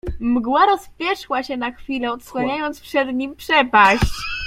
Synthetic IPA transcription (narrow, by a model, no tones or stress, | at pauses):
mɡwaɾɔspʲjɛʂwaɕɛnaxfʲilɛɔt̪swaɲajɔnt̪spʂɛd̪ɲimpʂɛpaɕt͡ɕ